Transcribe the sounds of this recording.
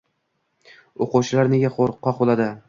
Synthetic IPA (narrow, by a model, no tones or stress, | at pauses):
oqʊwt͡ʃʰɪlaɾne̞ɡʲaχoɾqʰːɒqbolˠad̪ɪ